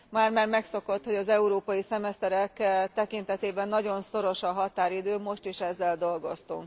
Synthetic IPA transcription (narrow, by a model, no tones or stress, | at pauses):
maːrmarmɛkso̞ko̞t̪ho̞ɟɒzɛuɾoːpɒjisɛmɛst̪ɛɾɛkt̪ɛkint̪ɛt̪eːbɛnːɒɟo̞nso̞ɾo̞ʃɒɦɒt̪aːɾid̪øːmo̞ʃt̪iːʃɛzːɛld̪o̞lɡo̞st̪ṵŋk